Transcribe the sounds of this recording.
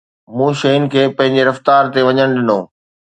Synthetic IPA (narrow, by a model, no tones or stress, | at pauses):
mũːʃɐjʊnɪ̆kʰeːpɐ̃ɦɪ̃ɲd͡ʑeɾɐft̪aːɾt̪eʋɐɲəɽ̃ɗɪnõː